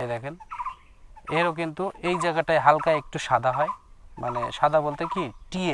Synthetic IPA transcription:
ed̪ɛkʰen | eɾok̬int̪uʔejd͡ʑajɡaʈaeɦalkaek̚ʈuʃad̪ʱaɦɔemʔanḛʃad̪ʱabolt̪ekiʈie

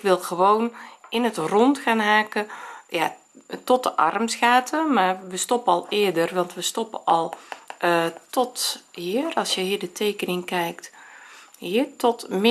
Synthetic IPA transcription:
kʋɪlˠɣəʋownɪnətrɔntxaːnɦaːkəja | tɔtəʔɑ̰rmsxaːtʰəmarʋəstɔpəɑlˠɪədərʋɑntʋəstɔpəʔɔlˠ | tɔthiːərɑlˠsjəhiːdətʰeːkənɪŋkɛjkt | hiətɔtm

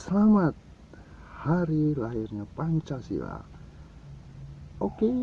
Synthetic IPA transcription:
səlamat̪̚ | haɾilaɦirɲapaɲt͡ʃasḭla̰ | oke

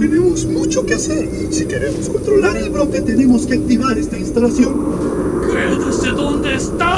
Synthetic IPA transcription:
t̪enemozmut͡ʃo̞kease̞ɾisike̞ɾe̞mosko̞nt̪ɾo̞laɾe̞lβɾo̞ke̞t̪e̞ne̞mo̞ske̞ak̚t̪iβaɾe̞st̪ainst̪alasjo̞nkɾeðaseðond̪eːst̪a

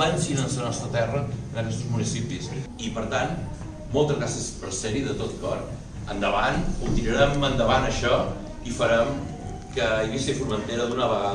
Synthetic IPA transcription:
ansinənsənɔst̪ɾət̪ɛrənəkɛst̪ɾuzmunisipis | ipəɾt̪an | molˠt̪əzɣɾasəspəɾsɛɾiðət̪ot̪kɔɾ | ənd̪əβanut̪iɾəɾɛmənd̪əβanəʃɔ | ifəɾɛm | kəiβisifuɾmənt̪eɾəðunəβəɣað

